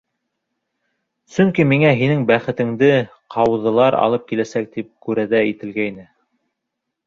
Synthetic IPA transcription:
sɵŋkimiŋæɦinɘŋbæχɘ̆t̪ɘ̆ŋd̪ɘ | qʰɑwɤ̆ðɤ̆lˠɑɾɑ̰lˠɤp̚kilæsæk̚t̪ip̚kʉɾæðæit̪ɘ̆lɡæjnɘ

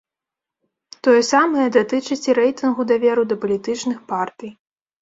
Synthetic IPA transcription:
t̪ɔjɛsamɐjɛd̪at̪ɨt͡ʂɨt͡sʲiɾɛjt̪ɨnɣud̪avʲɛɾud̪ɐpɐlʲit̪ɨt͡ʂnɨxpart̪ɨj

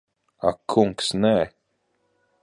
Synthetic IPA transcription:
a̰kʰːʊŋksnɛː

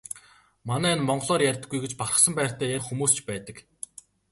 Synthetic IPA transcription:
manæːɪnmɔɴɢɮɔːrjærʲt̪ə̆ɡːujɡet͡ɕparə̆χsə̆mpæːkt̪ʰæːjæxumuːst͡ɕpæːt̪ə̆k

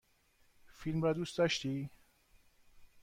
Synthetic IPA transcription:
filmɾɒːd̪ust̪d̪ɒʃt̪iː

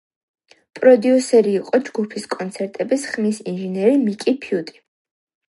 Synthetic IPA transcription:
pʼɾɔd̪iusɛɾiːqʼɔd͡ʒɡupʰiskʼɔnt̪sʰɛɾt̪ʼɛbisχmisinʒɛnɛɾimikʼipʰiut̪ʼi̥

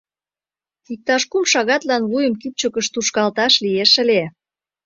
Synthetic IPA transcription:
ik̚t̪ɑʃkumʃɑɣɑt̪lɑnβujə̆mkip̚t͡ɕəkə̆ʃt̪uʃkɑlt̪ɑʃlieʃə̆lʲe

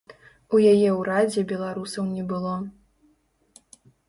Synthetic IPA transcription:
ujajɛwɾad͡zʲɛbʲɛlˠaɾusɐwnʲɛbɨlˠɔ

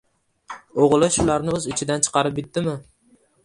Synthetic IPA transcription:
oʁlˠɪʃʊlaɾnɪɵzɪt͡ʃʰɪd̪ant͡ʃʰɨ̥qʰɑɾɪp̚bɪt̪ːɪmɪ

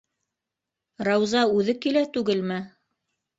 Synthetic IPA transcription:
ɾɑwzɑʉðɘkilæt̪ʉɡɘlmɘ

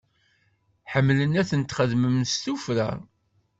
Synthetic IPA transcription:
ħəmːlənæθənt̪χəðməmst̪ufɾæ̰

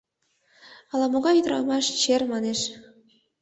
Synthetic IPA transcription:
ɑlɑmoɣɑjyd̪ɾɑ̰mɑʃt͡ɕermɑneʃ

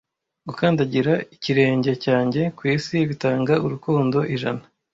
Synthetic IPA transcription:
ɡukaːndaɟiɾaiciɾe̞ːɲɟe̞caːɲɟe̞kwiːsiβitaːŋɡauɾukuːndo̞ʔiʒana

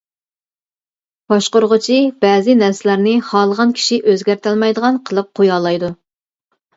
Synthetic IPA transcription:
b̥ɑʃqoɾʁʊt͡ʃʰib̥ɛːzɪnɛɾsɪlæɾnɪχɑːlˠəʁɑnkʲʰi̥ʃiʔøzɡʲæɾt̪ʰɛlˠmɑjd̪əʁɑnqʰəlˠɨp̚qʰojɑːlˠɑjd̪u

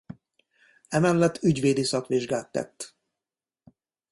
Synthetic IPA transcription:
ɛmɛlːɛt̪ːyɟʋeːd̪isɒkʋiʒɡaːt̪ːɛ̰t̪ː

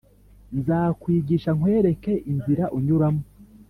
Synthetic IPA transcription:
nzakwiːɡiʃaŋ̥we̞ːɾe̞ke̞ʔinziɾaʔuɲuɾamu

